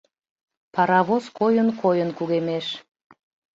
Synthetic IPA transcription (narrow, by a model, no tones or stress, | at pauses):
pɑɾɑβoskojənkʰojənkuɣemeʃ